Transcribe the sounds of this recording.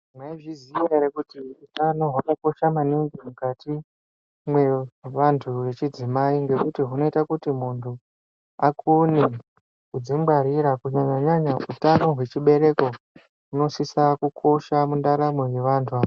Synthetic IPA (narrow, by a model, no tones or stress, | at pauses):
mweʐizieɾekutiutano̞ɦwanoko̞ʃamaniŋɡimukati | mwe̞ʋantʰuʋe̞t͡ʃid͡zimaiŋɡe̞kutiɦuno̞itakutimuntʰu | akʰune | kud͡zimɡ͡baɾiɾakuɲaɲaɲaɲautano̞ɦwe̞t͡ʃiɓe̞ɾe̞ko̞ | ɦuno̞sisakukʰo̞ʃamundaɾameɦwe̞ʋaːntʰua